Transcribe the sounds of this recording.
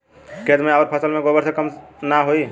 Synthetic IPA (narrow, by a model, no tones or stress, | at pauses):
ked̪meaːɾpʰəsəlmeɡobəɾsə̃kəmnaɦoi